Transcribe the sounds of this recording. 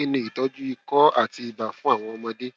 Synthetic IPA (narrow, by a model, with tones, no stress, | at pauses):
i˦nũ˧˦i˨tɔ˦d͡ʒu˦i˦˧kɔ˦a̰˦˨ti˧i˨ba˨fũ˦a˦˨w̃ɔ̃˧ɔ˧mã˧de˦